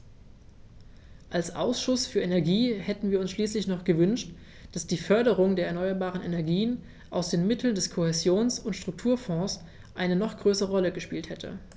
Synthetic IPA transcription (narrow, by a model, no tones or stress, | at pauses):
ʔalsʔa̰ʊsʃʊsfyːɐʔenɛɐɡiːhɛtn̩viːɐʊnsʃliːslɪçnɔχɡ̥əvʏnʃt | d̥asd̥iːfœɐɾəʁ̞ʊŋdeːɐɛɐnɔʏɐbaːʁənʔenɛɐɡiːən | ʔaʊsd̥eːnmɪtʰl̩ndɛskʰohɛzjoːnsʊntʃtʁ̥ʊk̚tʰuːɐfɔ̃ːs | ʔaɪnənɔχɡ̥ʁøːsəʁəʁɔləɡəʃpiːlthɛtʰə̰